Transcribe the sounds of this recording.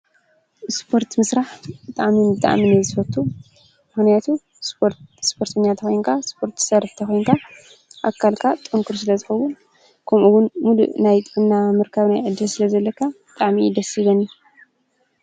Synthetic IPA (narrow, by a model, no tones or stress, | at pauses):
spʰo̞ɾt̪mɨsɾaħbɨt̪ʼaʕminbɨt̪ʼa̰ʕminɨzɨfɐt̪ʰːu | mɨxnijat̪ʰu | sospʰo̞ɾt̪ʰɐɲːat̪ʰɐxojnkʰaspʰo̞ɾt̪ʰsɐɾħt̪ʰɐxojnŋkʰa | ʔakʰːalkʰat̪ʼɨŋkʰuɾs̬ɨlɐzɨxɐwu | kʰɐmʔuwʊnmulṵʔnajt̪ʼnːamɨɾkʰaβnajʕɨd̪ːɨlsɨlɐzɐlːɐkʰːabɨt̪ʼaʕmid̪ɐsɨβɐni